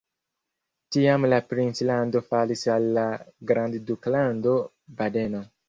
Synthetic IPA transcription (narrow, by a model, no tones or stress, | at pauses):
tiamlapɾinslando̞falisalːaɡɾandduklando̞ | bade̞no